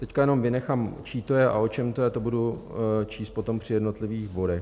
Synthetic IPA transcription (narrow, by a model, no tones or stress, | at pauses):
t̪ɛckajɛno̞mvɪnɛxamt͡ʃiːt̪ojɛʔao̞t͡ʃɛmt̪ojɛt̪o̞budut͡ʃiːst̪̚po̞t̪o̞mpr̥ɪjɛdno̞t̪lɪviːxbo̞dɛx